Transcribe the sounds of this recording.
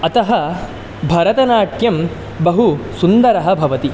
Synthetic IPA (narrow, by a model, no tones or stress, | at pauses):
ɐt̪ɐɦɐ | bʱɐɾɐt̪ɐnaːʈʰjɐm | bɐɦusund̪ɐɾɐɦɐ̆bʱɐʋɐt̪i